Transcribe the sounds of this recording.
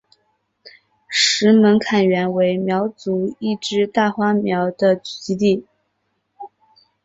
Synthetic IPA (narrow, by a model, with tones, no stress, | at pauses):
ʂɻ̩˧˥mə˧˥nkʰa˨˩nɥɛ˧˥nwe˧˥ɪmjɑ˧˥ʊt͡su˧˥i˥˩ʈ͡ʂɻ̩˥t̪a˥˩xwa˥mjɑ˧˥ʊd̪ə˧t͡ɕy̥˨˩t͡ɕi˧˥t̪i˥˩